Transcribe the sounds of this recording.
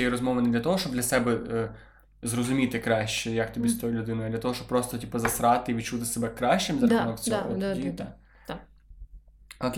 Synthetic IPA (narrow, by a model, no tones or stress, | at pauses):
ɛjiɾɔzmɔʋɐnɛd̪lʲɐt̪ɔɦɔʃt͡ʃɔbd̪lʲɐsɛbɛ | zɾɔzʊmʲit̪ɪkɾɑʃt͡ʃɛjɐkt̪ɔbʲist̪ɔjulʲʊd̪ɪnʊjʊɐd̪lʲɐt̪ɔɦɔʃt͡ʃɔp̚pːɾɔst̪ɔtʲipɐzɐsɾɑt̪ɪiʋʲitt͡ʃut̪ɪsɛbɛkːɾɑʃʲt͡ʃɪmzɐɐunɔksʲɔdʲit̪a | ɔt̪